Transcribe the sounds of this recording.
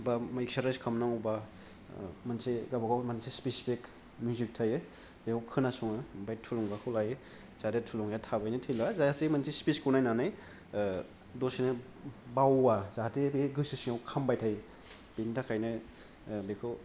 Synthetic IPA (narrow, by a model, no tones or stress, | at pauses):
bamaik̚saɾajskʰamnaŋɔwba | manseɡabaɡawmansispisipik | mjuzik̚tʰajɯ | bekʰɔwkʰɯnasuŋɯbajtʰulɔŋɡakʰulaje | z̥adetʰulɔŋjatʰabajnɯtʰilbazajastemansispiskunajnanaj | dosinɯ | bawbazadebeɡɯsisiŋawkʰambajtʰaj | b̥intʰakʰajnɯ | bekʰɯ